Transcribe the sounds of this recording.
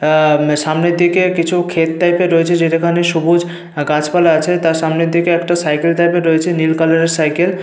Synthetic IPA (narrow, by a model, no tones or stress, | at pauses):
ʃamned̪ikekit͡ɕʰukʰet̪̚ːajpeɾoet͡ɕʰed͡ʑeʈekʰaneʃubud͡ʑ | ɡãt͡ɕpalaat͡ɕʰet̪aɾʃamned̪ikeɛkʈasajkelt̪ajpeɾoet͡ɕʰenilkalaɾeɾsajkel